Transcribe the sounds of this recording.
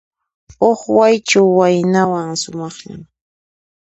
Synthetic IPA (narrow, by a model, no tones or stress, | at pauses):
oχwajt͡ʃawːajnawaŋsʊmɑχʎa̰m